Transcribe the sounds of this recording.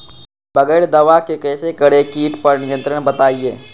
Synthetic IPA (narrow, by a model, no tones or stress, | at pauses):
bɐɡəɪɾd̪ɐʋakekɛːsekɐɽekiːʈpɐɾnɪjə̃nt̪ɾənbɐt̪aːieː